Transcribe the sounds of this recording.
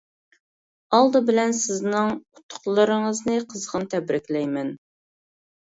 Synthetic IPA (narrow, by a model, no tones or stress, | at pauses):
ɑlˠd̪ɨbɪlɛnsɪznɪŋʊt̪ʰːʊ̥χlˠəɾɨŋəznɨqʰəzʁənt̪ʰɛbɾɪkʲlɛjmɛn